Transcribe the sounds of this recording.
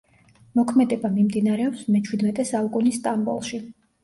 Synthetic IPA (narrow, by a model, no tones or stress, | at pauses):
mɔkʰmɛd̪ɛbamimd̪inaɾɛɔpsmɛt͡ʃʰwid̪mɛt̪ʼɛsalˠkʼunist̪ʼambṵlˠʃi